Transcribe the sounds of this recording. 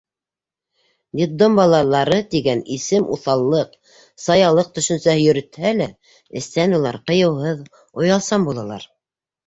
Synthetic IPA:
d̪ʲit̪d̪ombɑlˠɑlˠːɑɾɤt̪iɡænisɘmṵθɑlˠːɤq | sɑjɑlˠɤq̚t̪ɵ̆ʃɵ̆nsæhɘjɵ̆ɾɘ̆t̪hælæ | ɘ̆st̪ænulˠɑ̰ɾqɤ̆jɤ̆wɦɤð | ŏjɑlˠsɑmbulˠɑlˠɑ̰ɾ

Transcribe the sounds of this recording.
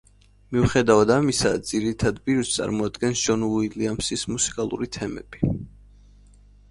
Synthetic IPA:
miuχɛd̪avad̪amisad̪z̥iɾit̪ʰad̪biɾt̪sʼa̰ɾmɔad̪ɡɛnsʒɔnuiliamsismusi̥kʼalˠṵɾit̪ʰɛmɛ̰b̥i

